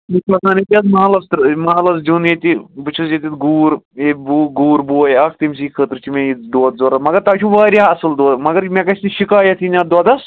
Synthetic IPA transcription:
mikɐsaːnet̪ʲɐzmɐɦalɐst̪ɾmɐɦalɐs̬d͡ʒunet̪ibɨt͡ʃʰusjet̪ʲit̪ɡuːɾebuːɡuːɾboːjɐk̚ʰt̪imʲs̬ikʰət̪ɾt͡ʃʰimẽjit̪̚d̪oːd̪zoːɾɐmɐɡɐɾt̪aːt͡ʃʰũʋaːɾʲjaɐsɨld̪oːmɐɡɐɾmʲekɐt͡ʃniʃikaːjɐt̪ʰinʲaːd̪oːd̪ɐs

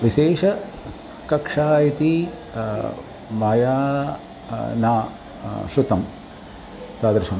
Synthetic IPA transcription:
ʋiʃeːʂɐ | kɐkʂaːjɐt̪i | mɐjaː | naː | ʃut̪ɐm | t̪aːd̪ɾɪʃɐm

